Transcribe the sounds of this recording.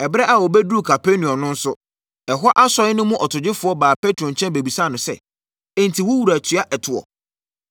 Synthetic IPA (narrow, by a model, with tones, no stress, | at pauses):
ɛ˨bɾɛ˦ʔa˨wɔ˨be˦du˦u˦˨kʰa˨pʰe˦nĩ˨ɔ̃˨nʊ̃˦n̩˦sʊ˦ | ɛ˨ɦa˦ʔa˦sɔ˨˦ɪ˦nʊ̃˦mũ˦ʔɔ˨tʰʊ˨d͡ʑɪ˦fʊ˨˦ɔ˦baː˨pɛ˦tʰɾɔ̃˨ɲ˨t͡ɕʰɛ̃˦be˨bi˨sa˦˨nʊ̃˨sɛ̰˦ | ɛ̃˨n˨tʰi˨wʊ˦wu˨ɾæ˨tʰɥa˦ʔɛ˨tʰʊ˨ɔ̰˨